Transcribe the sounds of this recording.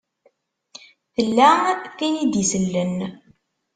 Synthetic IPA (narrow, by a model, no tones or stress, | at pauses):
θəlːækæjid̪isəlːən